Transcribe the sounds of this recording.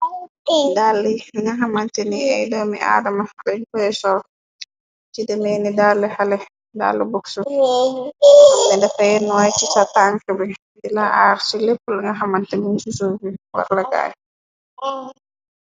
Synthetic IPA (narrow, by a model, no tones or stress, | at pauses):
dalːiŋɡaɦamantɛniɛjdɔmiʔa̰ːdamalɛɲkɔɛsɔl | t͡ʃidɛmɛnidalːɛhalɛ | da̰lːibɔksu | mɛdɛfajɛnːɔwajt͡ʃisataŋkəbɛ | dilaʔaɾsilepːulŋɡaɦamantɛminsusubiwa̰ɾlaɡa̰j